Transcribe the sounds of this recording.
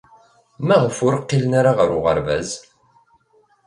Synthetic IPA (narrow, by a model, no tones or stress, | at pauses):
mæʁfʊɾəqːilənaɾaʁəɾʊʁə̰ɾvæ̰z